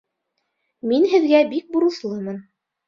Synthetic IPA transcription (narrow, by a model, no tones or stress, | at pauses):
minɦɘ̆ðɡæbik̚buɾɤ̆θlˠɤmɤn